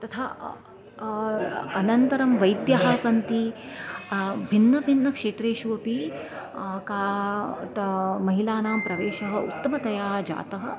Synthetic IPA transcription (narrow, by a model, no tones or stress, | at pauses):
t̪ɐt̪ʰaː | ɐnɐnt̪ɐɾɐmʋɐjd̪jɐɦaːsɐnt̪i | bʱinːɐbʱinːɐkʂeːt̪ɾeːʃuʋɐpi | kaː | mɐɦilaːnaːmpɾɐʋeːʃɐɦɐṵt̪ːɐmɐt̪ɐjaːd͡ʒa̰ːt̪ɐɦɐ̆